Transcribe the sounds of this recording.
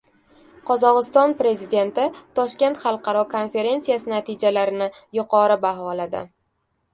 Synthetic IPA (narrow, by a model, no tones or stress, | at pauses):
qʰɒzɒʁɨst̪ɒnpɾe̞zid̪e̞nt̪ɪt̪ʰɒʃkʲe̞nt̪χɑlˠqʰɑɾɒkʰo̞nfe̞ɾe̞nsijasɪnat̪ʰɪd͡ʒalaɾɪnɪ | jʊqʰɒɾɪbaɦɒlad̪ɪ̰